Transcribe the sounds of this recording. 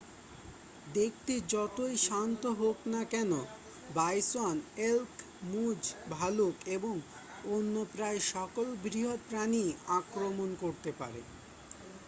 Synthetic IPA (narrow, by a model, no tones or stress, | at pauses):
d̪ek̚t̪ed͡ʑɔt̪ojʃant̪oɦoknakɛno | bajsonelk | mud͡ʑbʱalukeboŋ | onːopɾaeʃɔkolbɾiɦoɾpɾaniakɾomonkoɾt̪epa̰ɾḛ